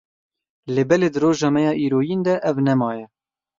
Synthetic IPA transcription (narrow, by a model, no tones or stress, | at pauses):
leːbɛleːd̪ɨroːʒɑːmɛjɑːʔiːɾoːjind̪ɛʔɛvnɛmɑːjɛ